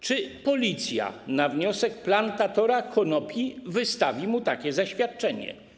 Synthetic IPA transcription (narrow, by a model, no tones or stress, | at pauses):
t͡ʂɘpɔlʲit̪sʲja̰navɲɔsɛkplant̪at̪ɔɾakʰɔnɔpʲjivɘst̪avʲimut̪akʲɛzaɕfʲjat̪̚t͡ʂɛɲɛ̰